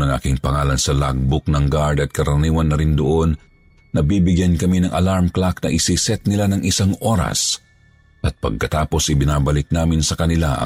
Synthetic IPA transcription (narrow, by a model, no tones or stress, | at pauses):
nɐŋʔa̰ːkɪŋpɐŋaːlɐnsɐlaɡ̚bʊk̚nɐŋɡaɹd̪ɐt̪̚kɐɾɐniːwɐnːɐɾind̪oʔo̞nː | ɐbibɪɡjankɐminɐŋʔɐlaɹmklak̚nɐʔɪsisɛt̪̚nɪlanɐŋʔɪsaŋʔo̞ːɾɐ̰s | ʔɐt̪̚pɐ̰ɡ̚kɐt̪aːpo̞sɪbɪnaːbɐlɪk̚naːmɪnsɐkɐnɪlaʔɐ̰